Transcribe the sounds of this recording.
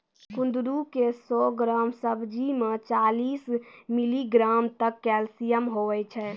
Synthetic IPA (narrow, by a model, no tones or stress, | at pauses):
kũnd̪ɾukesɔɡɾaːmsəbʱd͡ʒimet͡ʃaliːsmiliɡɾamt̪əkːɛlsijəmɦoʋɛt͡ʃʰɛ